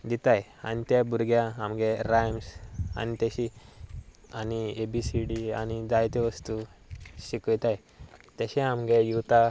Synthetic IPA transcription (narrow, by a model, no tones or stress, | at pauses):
d̪it̪aja̰nit̪jabuɾɡjaamɡɛɾajmsa̰nit̪aɕi | aniebisiɖia̰ñid͡zajt̪ɛʋəst̪uɕikt̪aj | t̪əɕɛamɡejuʋt̪a